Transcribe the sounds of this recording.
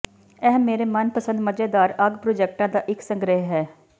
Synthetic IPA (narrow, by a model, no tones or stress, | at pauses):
ɛɦmːeːɾemənpəsə̃nd̪məd͡ʒeːd̪aːɾəɡpɾoːd͡ʒɛːk̚ʈãːd̪aːʔɪksə̃ŋɡɾəɦɦɛː